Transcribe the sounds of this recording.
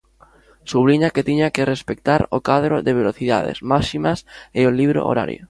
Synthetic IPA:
suβliɲaket̪iɲakerespekt̪aɾokaðɾoðeβ̞eloθiða̰ð̞ḛsmaʃimaseoliβɾo̰ʔo̰ɾa̰ɾjo̰

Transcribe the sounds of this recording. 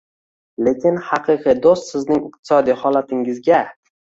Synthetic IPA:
le̞kʲɪnhɑqʰɨqʰɨd̪ost̪sɪznɪŋɪq̚t̪ʰɪ̥sɒd̪ijhɒlat̪ʰɪŋɪzɡʲa

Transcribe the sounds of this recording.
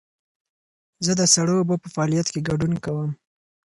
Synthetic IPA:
zəd̪əsaɽəobopəfaɑlijat̪keɡaɖunkawəm

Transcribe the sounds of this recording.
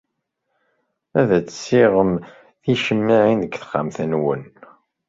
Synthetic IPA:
æðæt͡sːsːiʁəm | θiʃəmːiʕinðəɡθχa̰mθənwən

